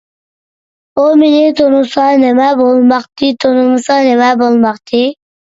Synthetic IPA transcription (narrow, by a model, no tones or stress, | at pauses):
omenɪt̪ʰonusɑnemæbolˠmɑqt̪it̪ʰonumɨsɑnemæbolˠmɑqt̪ʰi